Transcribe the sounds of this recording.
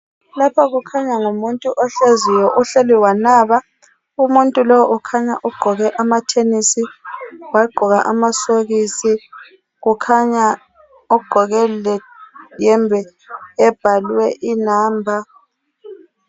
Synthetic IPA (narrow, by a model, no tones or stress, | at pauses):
lapʰaɣukʰaɲaŋumuntʼuʔɔɬezijɔʔuɬeliwanaːβa | umuntʼulɔʔɔkʰaɲa̰ʔuɡ͡ǃʱɔɣɛʔamatʰenisiwaɡ͡ǃʱɔɣa̰ʔamasoɣisi | ɣukʰaɲa | ɔɡ͡ǃ̥ʱɔɣɛlɛjɛmbʱɛː | b̥ʱalwɛʔinaːmbʱa